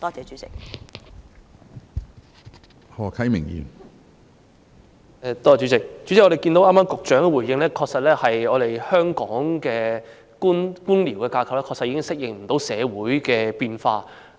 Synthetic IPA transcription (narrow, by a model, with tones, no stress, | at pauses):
t̪ɔː˥t͡sɛː˨˧t͡ʃyː˨˦˥t͡sɪ˨k̚ | hɔː˨˩kʰɐ˨˥jmɪ˨˩ŋjy̰ː˨˩n | ɛ˧t̪ɔː˥˨˩t͡ʃyː˨˥t͡sɪ˨k̚t͡ʃy˨˥t͡sɪ˨kːɔ˨˧ɾe˨˩kiː˧nt̪o˨˥wʔaː˥maː˥mkʊ˨k̚t͡ʃœː˨˥ŋɛ˧wuː˨˩jːɪ˧ŋlɛː˥kʰɔː˧k̚sɐ˨t̚lɛː˥hɐ˨jɔː˨˧ɾe˨jhœː˥ŋkɔː˨˥ŋkɛː˧ | kuː˥nkuː˥nliː˨˩wkɛː˧kaː˧kʰɐ˨˩wlɛː˥˧ksɐ˨iː˧˥kɪ˥ŋsɪ˥k̚jɪ˨ŋm̩˨˩t̪o˨˥wsɛː˨˧wuː˨˥jkɛː˧piː˧nfaː˧